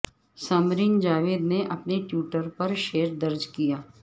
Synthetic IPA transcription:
sɐmɾind͡ʒaːʋeːd̪neʔɐpneʈjuːʈəɾpɐɾʃeːɾd̪ɐɾd͡ʒkijaː

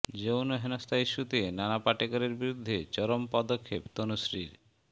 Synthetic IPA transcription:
d͡ʑownoɦenost̪aiʃːut̪enanapaʈikoɾeɾbiɾud̪ʱːet͡ɕɔɾompɔd̪okʰːept̪onoʃɾiɾ

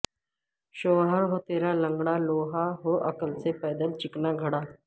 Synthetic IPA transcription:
ʃoːʋɦəɾɦoːt̪eːɾalə̃ŋɡɽaːloːɦaɦoːʔəkəlsepɛːd̪əlt͡ʃɪknaɡʱəɽaː

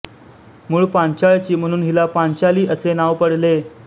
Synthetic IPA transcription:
muːɭpaɲt͡ɕaɭt͡ɕiːm̤əɽ̃uːnɦilapaɲt͡ɕaliːʔəsenaʋpəɽle

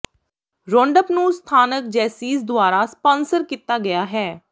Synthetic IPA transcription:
ɾõːɳɖəpnũːst̪ʰaːnək̚d͡ʒɛːsiːsd̪ʊaːɾaːspɔ̃ːnsəɾkiːt̪ːaːɡɪjaːɦɛː

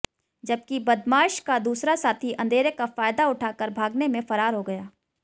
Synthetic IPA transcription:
d͡ʒɐb̚kibɐd̪maːʃkad̪uːsɾasaːt̪ʰiʔɐ̃nd̪eːɾekafaːjd̪aʊʈʰaːkəɾbʱaːɡnemẽfɐɾaːɾɦoɡɐjaː

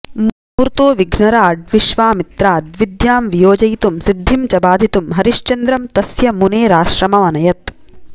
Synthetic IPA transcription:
m | uːɾt̪oːʋiɡʱnɐɾaːɖ̚ʋiʃʋaːmit̪ɾaːd̪ʋid̪jaːmʋijoːd͡ʒɐjt̪umsid̪ʱːimt͡ʃɐbaːd̪ʱit̪umɦɐɾiʃt͡ʃɐnd̪ɾɐmt̪ɐsjɐmuneːɾaːʃɾɐmɐʋɐnɐjɐt̪

